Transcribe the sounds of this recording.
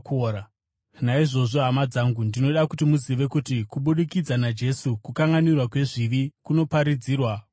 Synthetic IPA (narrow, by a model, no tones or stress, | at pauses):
a | naiʐo̞ʐo̞ɦamad͡zaːŋɡundino̞ɗakutimuziʋe̞kutikuɓuɗikid͡zanad͡ʒe̞sukukaŋɡanirwakwe̞ʐiʋikuno̞paɾid͡ziːrwa